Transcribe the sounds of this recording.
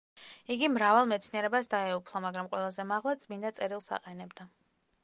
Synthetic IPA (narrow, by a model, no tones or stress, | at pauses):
iɡimɾavalˠmɛt̪sʰniɛɾɛbasd̪aɛupʰlˠamaɡɾamqʼwɛlˠazɛmaʁlˠat̪sʼmind̪at̪sʼɛɾilˠsa̰qʼɛnɛbd̪a